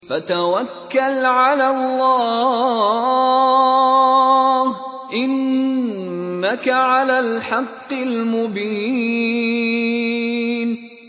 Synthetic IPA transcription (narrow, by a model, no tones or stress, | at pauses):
fat̪awakːalʕalalˤːɑː | h | ʔɪn | akaʕalaːlħɑqːɪlmʊbi | n